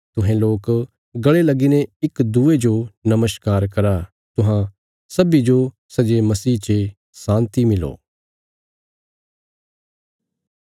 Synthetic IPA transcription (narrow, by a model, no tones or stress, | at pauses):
t̪ʊɦẽloːk | ɡɐɭelɐɡinẽɪkd̪ued͡ʒonɐməskaːɾkɐɾa | t̪ʊɦã | sɐbid͡ʒo | sɐd͡ʒemɐsiːt͡ʃe | sãːnt̪imɪlo̰ː